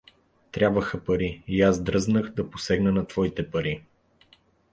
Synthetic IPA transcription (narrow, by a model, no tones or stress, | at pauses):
t̪ɾʲjabvəxəpɐɾiiazd̪ɾɤznəxd̪ɐposɛɡnənɐt̪v̥ɔit̪ɛpɐɾi